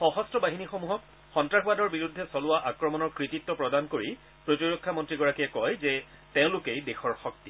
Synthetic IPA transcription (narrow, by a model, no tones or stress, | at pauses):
xɔɦɔstɔbaɦinixomuɦɔk | xɔntɹaxbadɔɹbiɹud̪ʱːɛsɔlʊwaʔakɹɔmɔnɔɹkɹititːɔpɹɔdankoɹi | pɹotiɹɔkʰːamɔntɹiɡɔɹakiɛkɔjzɛ | tẽʊ̃lʊkejdexɔɹxɔkti